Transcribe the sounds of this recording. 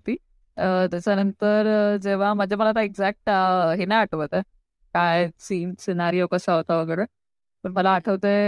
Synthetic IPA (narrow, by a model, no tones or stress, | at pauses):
t̪iː | t̪jat͡ɕanənt̪əɾd͡ʑeʋ̤amad͡ʑʱaməlat̪aeɡd͡zæk̚ʈɦenajaʈʰəʋət̪e | kajsiːnsinaɾijokəsaɦot̪aʋəɡəjɽe | pəɳməlaːʈʰəʋt̪e